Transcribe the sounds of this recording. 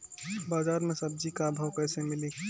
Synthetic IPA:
baːzaːɾmẽsɐb̚d͡ʒikabʱawkəɪsemɪli

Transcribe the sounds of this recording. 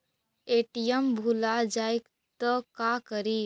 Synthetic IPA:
eʈijəmbʱulad͡ʒajk | t̪əkakəɾi

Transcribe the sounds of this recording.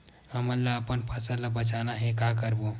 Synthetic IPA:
həməɾləəpənpʰəsələbət͡ʃanaɦẽkakəɾbo

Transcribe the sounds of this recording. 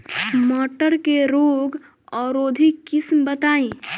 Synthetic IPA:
mɔːʈəɾkeɾoːɡ | ɔːɾoːd̪ʱikɪsmbət̪aːĩ

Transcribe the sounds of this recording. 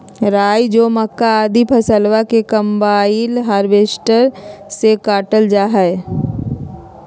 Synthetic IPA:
ɾaːjd͡ʒoːməkːaaːd̪ʱipʰəsəlʋakekə̃mbaːilɦaːɾʋeːsʈəɾsekaːʈəld͡ʒaːɦɛe

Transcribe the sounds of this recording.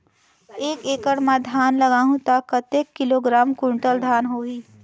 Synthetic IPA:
eːkeːkəɽmãd̪ʱaːnləɡaːɦũt̪akət̪eːkːɪloːɡɾaːmkʊ̃ɳʈəld̪ʱaːnɦoːiː

